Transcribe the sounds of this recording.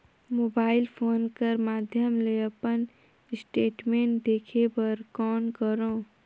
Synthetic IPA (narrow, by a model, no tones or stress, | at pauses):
moːbaːɪlpʰoːnkəɾmaːd̪ʱjəmleəpən | ɪsʈeːʈmẽːɳʈd̪eːkʰepəɾkɔːnkəɾõː